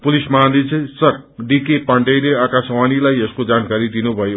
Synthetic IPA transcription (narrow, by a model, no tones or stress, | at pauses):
pulismand̪it͡sʰisʌk̚ | ɖikepaɳɖejleakaswanilajeskod͡zankaɾid̪inubʱʌjo